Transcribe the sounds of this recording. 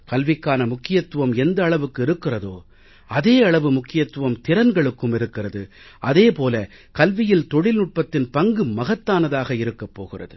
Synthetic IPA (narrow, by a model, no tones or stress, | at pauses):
kɐlʋɪkːaːnɐmʊkːɪjɐt̪ːɯʋɐmɛnd̪ɐːɭɐʋɯkːɯɪɾɯkːɪrɐðoː | ɐðeːɐɭɐʋɯmʊkːɪjɐt̪ːɯʋɐmt̪ɪɾɐnɡɐɭɯkːɯmɪɾɯkːɪrɐðɯ | ʔɐðeːpoːlɐ | kɐlʋɪjɪlt̪ɔɽɪlnʊʈ̚pɐt̪ːɪnpɐŋɡɯmɐɣɐt̪ːaːnɐðaːɣɐɪɾɯkːɐpːo̰ːɣɪrɐ̰ðɯ